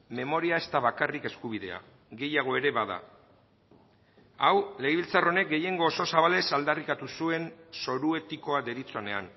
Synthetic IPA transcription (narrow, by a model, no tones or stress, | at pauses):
me̞mo̞ɾiae̞st̪aβakarike̞skuβ̞iðe̞a̰ | ɡe̞jaɣ̞o̞e̞ɾe̞βaða̰ | awle̞eβilt͡saro̞ne̞k̚ɡe̞je̞ŋɡoːso̞saβale̞sald̪arikat̪usue̞nso̞ɾue̞t̪iko̞ad̪e̞ɾit͡so̞ne̞a̰n